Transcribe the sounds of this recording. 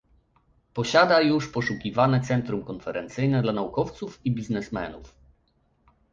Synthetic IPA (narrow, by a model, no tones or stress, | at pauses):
pɔɕad̪ajuʂpɔʂukʲivanɛt̪sɛnt̪ɾumkɔnfɛɾɛnt̪sɘjnɛd̪lanaukɔft̪sufibʲiznɛsmɛ̰nuf